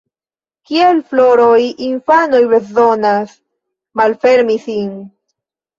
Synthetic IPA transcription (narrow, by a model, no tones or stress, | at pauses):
kielflo̞ɾojinfanojbezo̞nas | malfe̞ɾmisin